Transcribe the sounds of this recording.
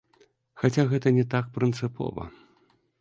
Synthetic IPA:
xat͡sʲaɣɛt̪ɐnʲɛt̪akpɾɨnt̪sɨpɔ̰vɐ̰

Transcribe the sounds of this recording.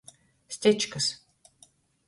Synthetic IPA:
st̪ʲet͡ʃkʰɐs

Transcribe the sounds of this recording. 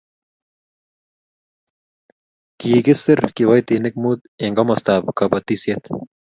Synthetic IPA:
kiːɡisɨɾkiwɐjt̪inik̚mud̪ | eŋɡɐmɐst̪aːbkɐbɐt̪iset̪

